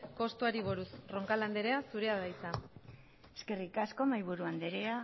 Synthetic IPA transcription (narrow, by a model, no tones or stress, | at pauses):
ko̞st̪uaɾiβoɾusro̞ŋkaland̪eɾe̞asuɾe̞aðajsa | eske̞rikasko̞majβuɾuand̪eɾea